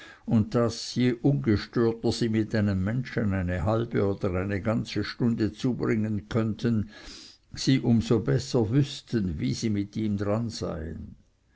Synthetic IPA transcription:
ʊnt̚d̥asjeʔʊnɡəʃtøːɐtəz̥iːmɪtaɪnəmːɛnʃənaɪnəɦalb̥əoːd̥ɐʁaɪnəɡant͡səʃtʊndət͡suːbʁɪŋənkʰœntʰən | z̥iːʔʊmzobɛsɐvʏstənvḭːziːmɪtiːmdʁanz̥a̰ɪə̰n

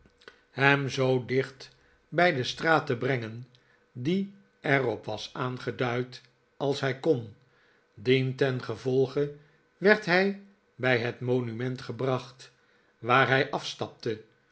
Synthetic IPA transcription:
hɛmzowdɪχt | bɛjdəstraːtəbrɛŋən | di | ɛrɔpʋɑsaːnχədœɥt | ɑlˠsɦɛjkon | dintɛnχəvɔlˠχə | ʋɛɹtɦɛj | bɛjɦətmonymɛntχəbrɑχt | ʋaːɹɦɛjʔɑfstɑp̚tə

